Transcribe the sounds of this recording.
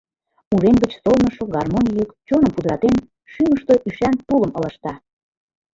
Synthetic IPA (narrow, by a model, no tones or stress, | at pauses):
uʒemɡə̆t͡ɕsolnəʃoɡɑrmonʲijykt͡ɕonəmpud̪ɾɑt̪en | ʃyməʃt̪oʔyʃænt̪uləmɤ̆lə̆ʃt̪ɑ